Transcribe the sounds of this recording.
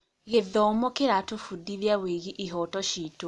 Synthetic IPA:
ɣeðɔmokeɾatofudiðjaweɣiʔiɦɔtɔʃito

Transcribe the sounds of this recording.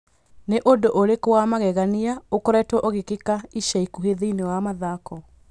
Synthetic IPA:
neʔodoʔoɾekowamaɣɛɣaniaokɔɾɛtwɔʔoɣekekaiʃaikuɦeðeinewamaðakɔ

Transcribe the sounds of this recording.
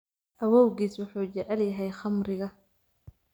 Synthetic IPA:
ʔɐwɔwɣiːswʊħuːt͡ʃɛʕɛljɐɦɛjχɑmɾɪɣɐ

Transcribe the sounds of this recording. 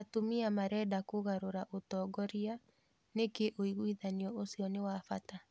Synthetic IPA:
atomiamaɾɛːdakoɣaɾoɾaʔotɔːɡɔɾia | nekeʔoiɣwiðaniɔosiɔnewafata

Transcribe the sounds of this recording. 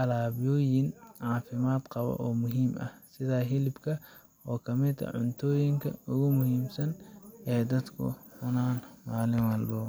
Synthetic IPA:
ʔɐlaːβɪjɔːjɪnʕaːfɪmaːd̪qɑβɐ̰ʔɔːmʊɦiːmʔɐ̰hsɪðaːɦɪlɪbkʰɐ | ɔːkʰɐmɪd̪ɐ̰ʕʊnt̪ʰɔːjɪŋkʰɐ̰ʊɣʊmʊhiːmsɐnɛːd̪ɐd̪kʰʊ̰ħʊnaːnmaːlɪɐlːɔː

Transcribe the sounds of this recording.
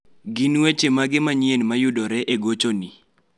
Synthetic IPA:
ɡinwet͡ʃemaɡɪmaɲenmajʊdɔɾɛʔeɡot͡ʃoni

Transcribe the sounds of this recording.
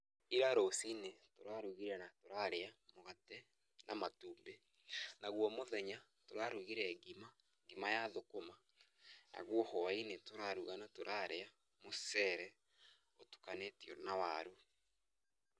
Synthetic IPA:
iɾaɾosinetoɾaɾuɣiɾɛnatoɾaɾeamoɣatɛ | nʔa̰matuːmbe | naɣwɔmoðɛɲa | toɾaɾuɣiɾɛɡima | ɡimajaðokoma | na̰ɣwɔhɔwainetoɾaɾuɣanotoɾʔaɾea | mosɛɾɛ | otu̥kanetiɔnawaɾu

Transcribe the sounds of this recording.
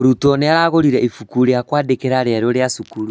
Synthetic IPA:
ɾutɔneaɾaɣoɾiɾɛifukuɾeakwaːdekeɾaɾɛɾoɾeasukuɾu

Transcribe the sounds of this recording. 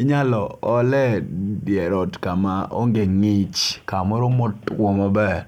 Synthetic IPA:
iɲalɔɔlɛdjɛɾɔtkamaʔo̰ŋɡeŋɪt͡ʃkamɔɾomotkwɔmɔbɛ

